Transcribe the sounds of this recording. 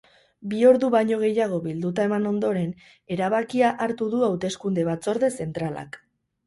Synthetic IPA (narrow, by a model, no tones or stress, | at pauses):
bio̞ɾðuβaɲo̞ɣ̞e̞jaɣ̞o̞βild̪ut̪̬ae̞mano̞nd̪o̞ɾe̞n | e̞ɾaβ̞akiaʔaɾt̪uðuawt̪e̞skund̪e̞βat͡so̞ɾðe̞se̞nt̪ɾala̰k